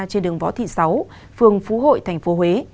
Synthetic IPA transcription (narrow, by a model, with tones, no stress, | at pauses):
t͡ɕe˧nɗɨ˨˩əŋvɔ̰˧˦t̪ʰḭ˧˨sa˨˦w | fɨ˨˩əŋfu˨˦ɦo̰˧˨jt̪ʰa˨˩jŋ̟fo˨˦ɦwe˨˦